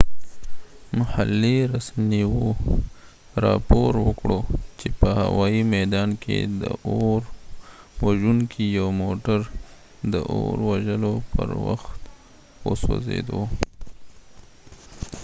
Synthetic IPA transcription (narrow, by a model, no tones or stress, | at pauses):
mahalːiɾasmiwo | ɾɑpoɾwəkɽot͡ʃepəha̰wɑimɛd̪ɑnkʰḛd̪əʔoɾ | waʒuŋkʰijawmoʈaɾ | d̪əʔoɾwaʒəlopəɾwa̰xt̪ | woswo̰zḛd̪o